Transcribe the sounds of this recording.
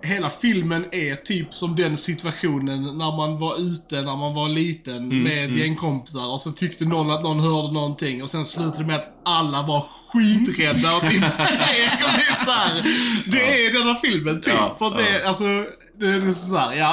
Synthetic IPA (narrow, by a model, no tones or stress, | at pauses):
ɦeːlafɪlmənɛt̪ʰyːpsɔmd̪ɛnsɪt̪vaɧuːnənːæɾmanvaɾʉ̟ːt̪ənæɾmanvaɾliːt̪ənmɛd̪jɛŋkʰɔmpɪ̥saɾɔsɔt̪ʰʏkt̪ənɔnːat̪nɔnɦœːɾd̪ənɔnt̪ʰɪŋːɔsɛnslʉ̟ːt̪ad̪əmɛat̪ | alːavaɾ | ɧiːt̪ɾɛd̪ːaɔɪnseːɡɔd̪ɛsahæɾd̪ɛæd̪ɛnːafɪlmənt̪ʰyːpfəɾat̪d̪ɛalsɔ | d̪ʉɛd̪ɛsɔsæːɾjɑː